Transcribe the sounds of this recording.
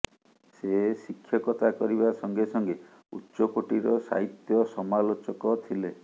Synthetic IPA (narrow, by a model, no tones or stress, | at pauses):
sesikʰːjɔkɔt̪ʰakɔɾibasɔŋɡesɔŋɡe | utːʃɔkoʈiɾɔsa̰ɦit̪jɔsɔmalot͡ʃɔkɔt̪ʰile